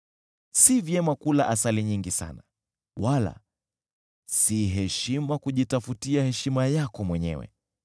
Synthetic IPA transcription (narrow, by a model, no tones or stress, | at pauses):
sivjɛmakulaʔasaliɲiŋɡisa̰na | wala̰ | siɦɛʃimakuʄitafutiahɛʃimajakɔmwɛɲɛ̰wɛ̰